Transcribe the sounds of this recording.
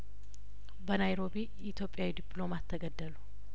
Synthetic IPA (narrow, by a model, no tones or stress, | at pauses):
bənajɾo̞bi | it̪ʰjopʼjawid̪ipʰlo̞mat̪ʰːəɡəd̪ːəlu